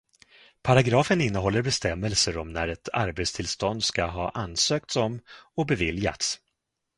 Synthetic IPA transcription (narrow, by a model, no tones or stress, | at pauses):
pʰaɾaɡɾɑːfənɪnːəɦɔlːəɾbɛst̪ɛmːɛlsəɾɔmnæɾɛt̪ʰa̰ɾbet̪st̪ʰɪlst̪ɔnd̪skaɦɑːʔanːsøːk̚t̪sɔmɔbɛvɪlja̰t̪s